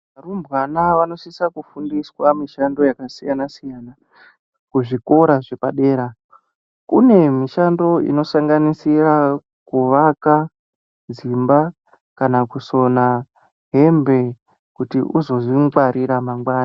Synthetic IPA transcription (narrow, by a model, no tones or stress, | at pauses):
arumbwanaʋano̞sisakufundiswamiʃando̞jakasijanasijaːna | kuʐiko̞ɾaʐe̞paɗe̞ːɾa | kune̞miʃando̞ḭno̞saŋɡanisira | kuʋaka | d͡zimba | kanakuso̞na | ɦe̞mbe̞ | kutiʔuzo̞ziɡwaɾiɾamaŋɡwaːna